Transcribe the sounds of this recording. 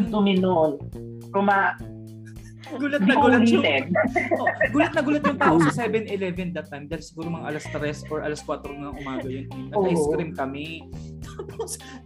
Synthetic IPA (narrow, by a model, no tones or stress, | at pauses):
t̪ʊmɪnon | kʊma | ɡ̥uːlɐt̪nɐuːlɐnit̪ɛoɡuːlɐt̪̚nɐɡuːlɐt̪jʊŋt̪aːʔosɐsɛbɛnɪlɛvɛnd̪ɐt̪ːajmd̪ajlsɪɡuːɾomɐŋɐʔɐlɐst̪ɾɛsʔoɹʔɐ̰lɐskwaːt̪ɾonŋɐŋʔʊmaːɡɐjonnɐɐjst̪ɾɾimkɐmɛt̪aːpʰos